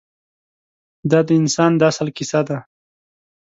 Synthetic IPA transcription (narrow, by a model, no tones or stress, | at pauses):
d̪ɑd̪əɪnsɑnd̪asəlkɪsad̪a